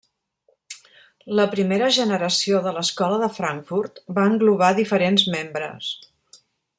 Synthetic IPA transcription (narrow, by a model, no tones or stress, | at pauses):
ləpɾimeɾəʒənəɾəsioðələskɔləðəfɾaŋfuɾt̪baəŋɡluβ̞aðifəɾenzmembɾə̰s